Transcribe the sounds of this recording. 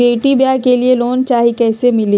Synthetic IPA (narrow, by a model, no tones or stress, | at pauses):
eːʈibjakelieloːnt͡ʃaːɦikɛːsemɪli